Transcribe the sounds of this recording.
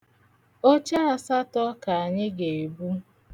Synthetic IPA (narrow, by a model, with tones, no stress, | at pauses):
o˦t͡ʃa˦a˨sa˦tɔ˦ka˨a˨ɲɪ˦ɡe˨i˨bu˦